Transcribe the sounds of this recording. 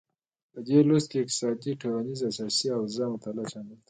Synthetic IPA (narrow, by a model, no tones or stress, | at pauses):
pəd̪elost̪̚keɪk̚t̪ɪ̥sɑjad̪iʈʰolanizasɑsiawzamʊt̪alaʃamɪld̪